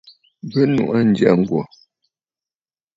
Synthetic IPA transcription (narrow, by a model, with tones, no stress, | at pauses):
bə˦nṵ˨ʔa˦n̩˦dja˦˨ŋ̩˨ɡwɔ˨